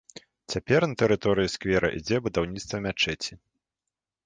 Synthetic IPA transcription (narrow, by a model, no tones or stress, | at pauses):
t͡sʲapʲɛrnɐt̪ɛɾɨt̪ɔɾɨjiskvʲɛɾʔɐ̰ʔid͡zʲɛbud̪awnʲit̪st̪vɐmʲat͡ʂɛt͡sʲi